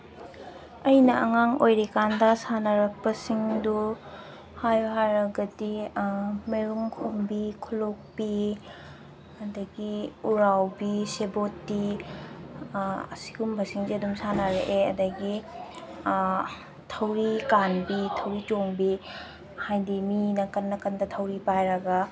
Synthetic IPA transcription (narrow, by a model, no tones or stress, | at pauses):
ɐjnɐʔɐŋaŋojɾekandɐsanaɾɐk̚pɐsiŋdu | hajɦaɾɐɡɐdi | meɾuŋkʰombikʰɔlok̚pi | ɐdɐɡiuɾawbisebotːi | ɐ̰si̥ɡumbʱɐsiŋziɐdumsanaɾeʔeɐ̰dɐɡi | tʰɐwɾikanbitʰɐwɾitoŋbi | hajdiminɐkɐnːɐkɐndɐtʰɐwɾipajɾɐɡa